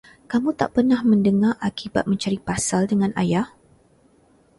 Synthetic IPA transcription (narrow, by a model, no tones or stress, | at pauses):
kamũt̪a̰ʔpərnahmə̃ndəŋarʔakiba̰t̪̚mə̃ɲt͡ʃaɾipasaldəŋãnajah